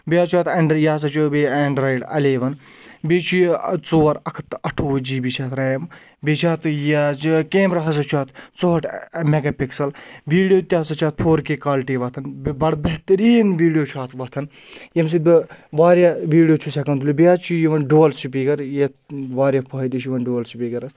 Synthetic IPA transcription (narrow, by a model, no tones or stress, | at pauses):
biaːt͡ʃʰuaːt̪ɐɳɖɾjaːs̬ɐt͡ʃʰubeɐːɳɖɾɐjɖɐ̰leːʋɐn | bet͡ʃʰujt͡soːɾɐkʰt̪ɐʈʰoːd͡ʒiːbit͡ʃʰaːt̪ɾɐːm | bet͡ʃʰaːt̪jakeːmɾatɐs̬ɐt͡ʃʰuaːt̪t͡soːʈʰmeɡɐːpiksɐlʋiːɽijoːt̪ʲaːsɐt͡ʃʰaːt̪̚pʰoːɾkeːkaːlʈiːʋɐt̪ʰɐnbbɐɽbɐɦt̪ɐɾiːnʋiːɽijoːt͡ʃʰaːt̪ʰʋɐt̪ʰɐn | jems̬id̪̚biʋaːɾjaʋiːɽijoːt͡ʃʰusʲɐkɐnt̪ulʲubiaːt͡ʃʰujiʋɐnɖuːɐlsupiɡɐɾje | ʋaːɾjapʰɐɦd̪it͡ʃʰjiʋɐnɖuːlsipiɡɐɾɐs